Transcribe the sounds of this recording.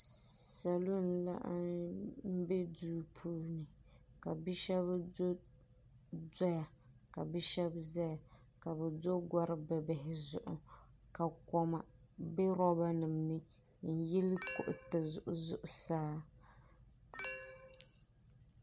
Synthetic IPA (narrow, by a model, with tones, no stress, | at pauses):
sa˨lo˦n˨la̰˦ʔm̩˦bɛ˦duː˦pʰuː˦nɨ˨ | ka˨bi˦ʃɛ˦βdo˦ | dɔ˦ja˨ | ka˨bɛ˦ʃɛ˦bzɛ˦ja˨ | ka˨bɛ˨do˦ɡʷɔ˦ɾɨ˦bɛ˨bɪ˨ɦɪ˨zʊ˨ʔʊ˨ | ka˨kɔ˨ma˨ | bɛ˦ɾɔ˦ba˦nɨ˨mnɨ˦ | n̩˨jɛ˦lkʊ̰˨ʔʊ˨tɨ˨zʊ̰˨ʔʊ˨zʊ˨ʔʊ˨saː˦